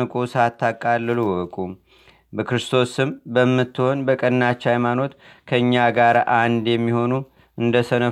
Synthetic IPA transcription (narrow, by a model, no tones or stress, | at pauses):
ɨkʼusat̪ʰːakʼalːɨluwɔkʼu | bəkʰɾɨst̪ʰo̞sɨmbəmːɨt̪ːɨho̞nbəkʼənːat͡ʃːhajmano̞t̪kʰəɨɲːaɡaɾʔand̪jɛmːiho̞nu | ɨnd̪əsənə